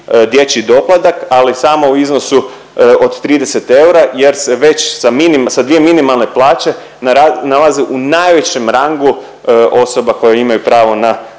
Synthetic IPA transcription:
d̪je̞t͡ɕid̪o̞plˠad̪akalisaːmo̞uizno̞su | od̪t̪ɾiːd̪e̞set̪e̞uɾaje̞ɾseʋe̞t͡ɕsaminimsad̪ʋijeminimalˠne̞plˠaːt͡ʃe̞ | analˠaziʔunajʋe̞t͡ɕe̞mɾaŋɡu | ʔo̞so̞bako̞jeimajupɾaːʋo̞na

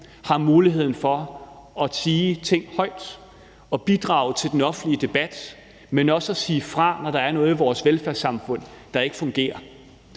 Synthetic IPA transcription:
hɑ̈muːliɦe̝ð̰ˠn̩fɒ̽ | ɒ̽siːt͡sʰe̝ŋ̰hɒ̽ɪ̰d̥ | ɒ̽b̥id̥ʁɑ̈ːʊt͡sʰe̝ld̥enɒ̽fn̩liəd̥e̝b̥æd̥ | menɒ̽səæsiːfʁɑ̈nɒɾ̥ɑ̈æɐnɔ̽ːð̞̩ˠiʋɒːsʋelfæɐsɑ̈mfɔ̽n̰ | d̥ɑ̈e̝ɡ̥əfɔ̽ŋɡ̥e̝̰ːɐ

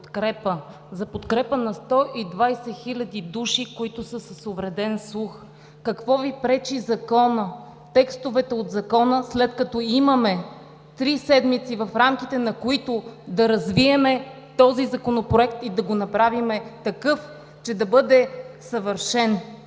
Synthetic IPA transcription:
t̪kɾɛpə | zɐpot̪kɾɛpənɐst̪ɔʔid̪vajsɛxilʲɐd̪id̪uʃikoit̪ʊsəsɐsovɾɛd̪ɛnslˠux | kɐkvɔvipɾɛt͡ʃizɐkɔnə | t̪ɛkst̪ovɛt̪ɛod̪zɐkɔnəslɛt̪kɐt̪ɔimɐmɛ | t̪ɾisɛd̪mit̪sivɐfɾamk̟it̪ɛnɐkoit̪od̪ɐɾɐzviɛmɛ | t̪ɔzizɐkonopɾoɛk̚t̪id̪ɐɡonɐpɾavimɛt̪ɐkɤf | t͡ʃɛd̪ɐbɤd̪ɛsɐvəɾʃɛn

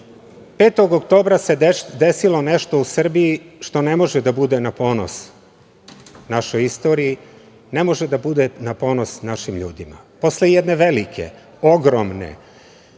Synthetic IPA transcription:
peːt̪o̞ɡokt̪o̞ːbɾase̞d̪e̞silo̞ne̞ʃt̪o̞usr̩bijiʃt̪o̞ne̞mo̞ʒed̪abud̪e̞napo̞ːno̰s | naʃo̞jist̪o̞ːɾii | ne̞mo̞ʒed̪abud̪e̞napo̞ːno̞snaʃimʎṵːd̪ima̰ | po̞slejed̪ne̞ʋelikʰe̞̰ | o̞ɡɾomne̞̰

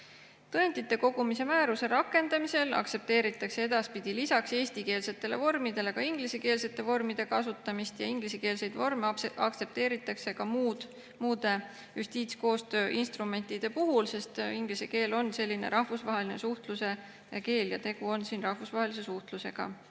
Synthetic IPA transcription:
t̪ɤent̪it̪ːˑe̞ko̞ɡ̥umise̞mæːɾuse̞ɾɑkːˑe̞nd̪ɑmise̞lɑ̰kse̞p̚t̪e̞ːɾit̪ːˑɑkse̞e̞d̪ɑspid̪̥ilisɑkse̞ːsʲt̪ike̞ːlse̞t̪ːˑe̞le̞vo̞rmid̪e̞le̞kɑiŋɡ̥liseke̞ːlse̞t̪ːˑe̞vo̞rmid̪̥e̞kɑsut̪ːˑɑmist̪jɑiŋɡ̥liseke̞ːlse̞jd̪̥vormeɑk̚tse̞p̚t̪e̞ːɾit̪ːˑɑkse̞kɑmuːd̪̥ | muːd̪e̞ | jʔust̪iːt̪sko̞ːst̪ø̞ːʔinst̪rume̞nt̪ˑid̪̥e̞puɦulse̞st̪iŋɡliseke̞ːlo̞nːse̞lʲːine̞̰ɾʔɑhvusvɑɦe̞line̞̰suht̪luse̞ | ke̞ːljɑ̰t̪e̞ɡ̥uo̞nsiːnrɑhvusvɑɦe̞lis̬e̞suht̪luse̞ɡ̥ɑ̰

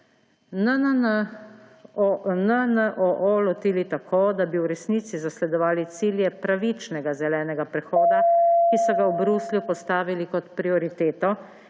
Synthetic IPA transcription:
nən | nənəʔɔʔolɔt̪iːlit̪akʰoːd̪abiwɾɛsniːt̪sizaslɛd̪ɔʋaːlit̪siːljɛpɾaʋit͡ʃnɛɡazɛlɛːnɛɡapɾɛxoːd̪akisɔɡawbɾusljupɔst̪aːʋilikɔt̪pɾiɔɾit̪eːt̪ɔ

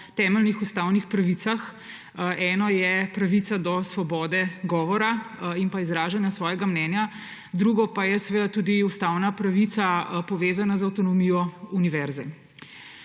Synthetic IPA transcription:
t̪ɛːmɛlnixust̪aːwnixpɾaʋiːt̪sax | ɛːnɔjɛpɾaʋit̪sad̪ɔsʋɔbɔːd̪ɛɡɔːʋɔɾainpaizɾaːʒanjasʋɔːjɛɡamnɛnja | d̪ɾuɡɔpajɛsɛʋeːd̪at̪ud̪iust̪awnapɾaʋit̪sapɔʋeːzanazawt̪ɔnɔmijɔuniʋɛɾzɛ

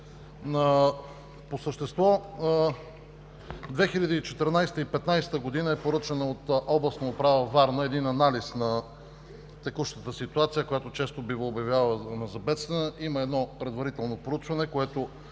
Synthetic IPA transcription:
nɐ | posəʃt̪ɛst̪vɔ | d̪vɛxilʲɐd̪iːt͡ʃɛt̪əɾnajst̪əipɛt̪najsɛ̥t̪əɡod̪inəɛpoɾɤt͡ʃənəot̪ʔɔblˠəsnoopɾavəvaɾnəɛd̪inɐnalisnɐ | t̪ɛkuʃnət̪əsit̪uat̪sijəkojat̪ot͡ʃɛst̪obivoobjɐvʲjalˠənɐzɐbɛt̪st̪vɛnəʔiməɛd̪nɔpɾɛd̪vɐɾit̪ɛlˠnopɾout͡ʃvɐnɛkoɛt̪o

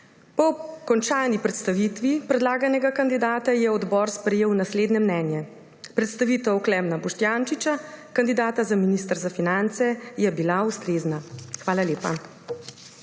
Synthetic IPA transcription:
pɔkɔnt͡ʃaːnipɾɛt̪st̪aʋit̪ʋipɾɛd̪laːɡanɛɡakand̪id̪aːt̪ajɛɔd̪bɔɾspɾɛjeːwnasleːd̪nɛmnɛːnjɛ | pɾɛt̪st̪aʋit̪ɛwklɛmnabɔʃt̪jant͡ʃit͡ʃakand̪id̪aːt̪azaminist̪əɾzafinant̪sɛjɛbilaust̪ɾeːznaxʋaːlaleːpa̰

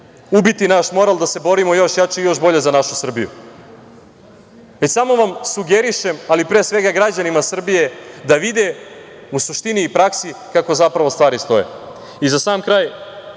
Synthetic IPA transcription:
ubit̪inaʃmo̞ɾalˠd̪ase̞bo̞ɾimo̞jo̞ʃjat͡ʃeijo̞ʃbo̞ʎe̞zanaʃusr̩bijṵ | ʋe̞t͡ɕsamo̞ʋamsuɡeɾiʃemalipɾesʋe̞ɡaɡɾad͡ʑanimasr̩bije̞d̪aʋid̪e | usuʃt̪iniːpɾaksikako̞zapɾaʋo̞st̪ʋaːɾist̪o̞jḛ | izasaːmkɾaːj

